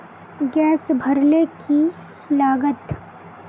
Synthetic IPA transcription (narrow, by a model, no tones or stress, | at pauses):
ɡɛːsbʱəɾleki | laːɡət̪